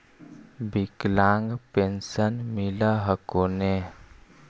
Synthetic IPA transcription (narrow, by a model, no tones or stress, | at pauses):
biklãŋɡpensənmilaɦəkone